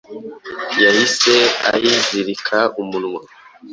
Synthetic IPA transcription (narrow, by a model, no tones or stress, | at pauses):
jahisea̰jiziɾikʰaumunŋwa